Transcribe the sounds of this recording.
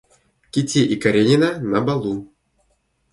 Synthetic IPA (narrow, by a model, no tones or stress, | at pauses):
kʲitʲːiʔikaɾʲenʲinanabalˠu